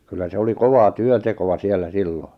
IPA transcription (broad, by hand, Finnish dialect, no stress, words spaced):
kylːæ se oli koʋɑː tyøntekoʋɑ sielːæ silːo